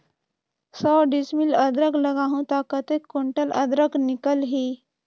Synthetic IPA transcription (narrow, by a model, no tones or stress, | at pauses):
sɔːɖismilɐd̪ɾəɡlɐɡaːɦũt̪aːkət̪ekːoɳʈəlɐ̰d̪ɾəɡnɪkəlɦiː